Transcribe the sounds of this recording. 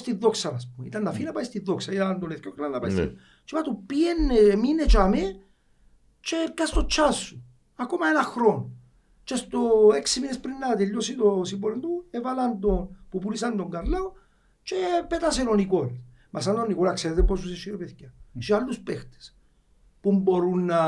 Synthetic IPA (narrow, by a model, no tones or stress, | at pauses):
st̪iðoksaɾaspumḭt̪and̪afinapaist̪iðːoksait̪aand̪oneθkoklanapaist̪ḭ | t͡ʃipat̪upienːeminet͡ʃame | t͡ʃekːast̪ot͡ʃːasːu | akomaenaxɾon | t͡ʃest̪oɛksiminespɾinːat̪eʎːosit̪osibɔɾend̪uevaland̪onpupulisand̪oŋɡaɾlaw | t͡ʃepet̪as̬eɾonikɔɾes | mas̬and̪onːikɔɾaksed̪epːɔs̬usiʃiɾpeθkjaʃialːuspɛxt̪e̥s | pumboɾunːa